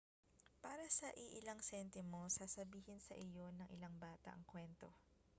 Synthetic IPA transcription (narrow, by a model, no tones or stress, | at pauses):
paːɾɐsɐʔɪʔɪlɐŋsɛnt̪ɛmo̞sasɐbiːhɪnsɐʔɪjo̞nɐŋʔɪlɐŋbaːt̪ɐ̰ʔɐŋkwɛnt̪o̞